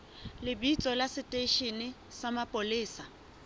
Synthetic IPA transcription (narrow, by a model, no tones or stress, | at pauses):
lɪbit͡sʼɔlasɪtʼeʃenɪ | samapʼolɪːsa